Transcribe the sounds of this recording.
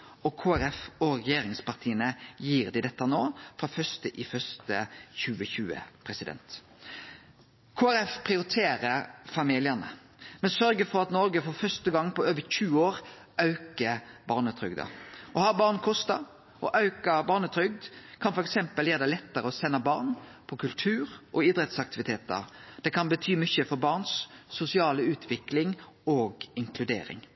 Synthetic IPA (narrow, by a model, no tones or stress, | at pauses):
ɔkʰoːæɾɛfɔɾɛjeːɾɪŋspɑʁt̪ʰiːənəjiːɾd̪ɪd̪ɛt̪ːənoːfɾɑfœst̪əʔɪfœst̪əçʉːəçʉːə̰pʰɾɛsɪd̪ɛ̰nt̪ | kʰoːæɾɛfpʰɾɪʊɾɪt̪ʰeːɾəfɑmiːlɪənə̰ | mɛnsœɾɡəfɔɾɑt̪nɔɾɡəfɔɾfœst̪əɡɑŋːpɔøːʋəɾçʉːoːɾ | ʔɑʉkəbɑːʁnət̪ʰɾʏɡd̪ə̰ɔhɑɾbɑːʁnkʰɔst̪ɑ | ʔɔʔɑʉkəbɑːʁnət̪ʰɾʏɡ̚d̪kʰɑnfɔɾɛksɛmpəljeːɾd̪ɛlɛt̪ːəɾəɔsɛnːəbɑːʁnpʰɔkʰʉlt̪ʰʉːɾʔɔiːd̪ɾɛt̪sɑk̚t̪ɪʋɪt̪ʰeːt̪ə̰ɾd̪̥ɛkʰɑnbət̪ʰyːmʏçəfɔɾbɑːʁnsːʊsɪɑːləʉːt̪ʰʋɪklɪŋoːɡɪŋkʰlʉd̪ḛːɾɪ̰ŋ